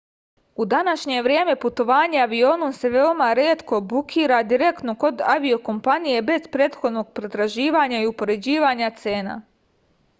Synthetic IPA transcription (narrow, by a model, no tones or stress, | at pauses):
ud̪anaʃɲe̞ʋɾje̞ːme̞put̪o̞ʋaːɲeaʋio̞ːnomse̞ʋe̞omaɾeːt̪ko̞bukʰiːɾad̪iɾe̞kt̪no̞ko̞d̪aʋio̞ko̞mpanije̞be̞z̥pɾeːt̪xo̞d̪no̞ɡ̚pɾet̪ɾaʒiːʋaɲaiupo̞ɾe̞d͡ʑiːʋaɲat̪se̞ːna̰